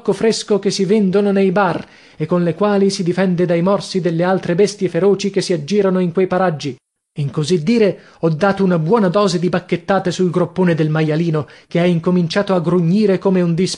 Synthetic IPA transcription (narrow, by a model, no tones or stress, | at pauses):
kːofɾeskok̟esːivend̪ononejbar | ekːonlekwaːlisid̪ifɛnd̪ed̪ajmɔrsid̪elːealt̪ɾebɛst̪jefeɾoːt͡ʃikesːiad͡ʒːiːɾanoiŋkwejpaɾad͡ʒːi | iŋkozid̪ːiːɾe | ɔd̪ːaːt̪ounabwɔːnad̪ɔːzed̪ibakːet̪ːaːt̪esulɡɾopːoːned̪elmajaliːnokeɛiŋkomint͡ʃaːt̪oaɡɾuɲːiːɾekomeund̪is